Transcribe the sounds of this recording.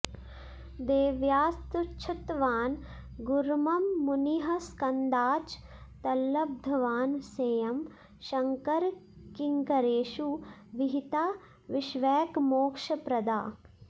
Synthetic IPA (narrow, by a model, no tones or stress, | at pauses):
d̪eːʋjaːst̪ut͡ʃʰut̪ʋaːnɡʊɾmɐmːʊniɦɐskɐnd̪aːt͡ʃ | t̪ɐlːɐb̚d̪ʱɐʋaːnseːjɐm | ʃɐŋkɐɾkɪŋkɐɾeːʃuʋɪɦit̪aː | ʋɪʃʋɛːkmoːkʃɐpɾɐd̪aː